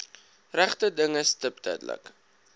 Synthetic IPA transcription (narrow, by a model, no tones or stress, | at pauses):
ræχtədəŋəstəp̚dœ̰dələ̰k